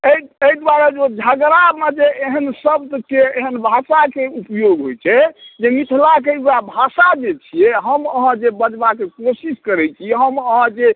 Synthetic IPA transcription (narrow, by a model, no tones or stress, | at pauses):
eieid̪waɾed͡ʒod͡ʒʱaɡɾaɾmed͡ʒeeɦənsəb̚d̪keeɦənbʱasakeupjoɡɦojt͡ʃʰɛd͡ʒemit̪ʰlakeuabʱasad͡ʒet͡ʃʰijɛɦəməɦãd͡ʒebəd͡ʒbakekosiskəɾɛt͡ʃʰiɛɦəməɦãd͡ʒe